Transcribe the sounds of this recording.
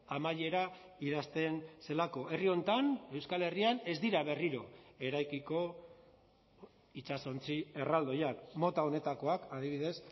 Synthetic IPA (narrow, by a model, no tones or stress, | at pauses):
amaʎe̞ɾa | iðast̪e̞nse̞lako̞ʔe̞rio̞nt̪ane̞wskale̞riane̞zd̪iɾaβ̞e̞riɾo̞e̞ɾajkiko̞ | it͡ʃaso̞nt͡sie̞rald̪o̞jakmo̞t̪ao̞ne̞t̪ako̞akaðiβiðe̞s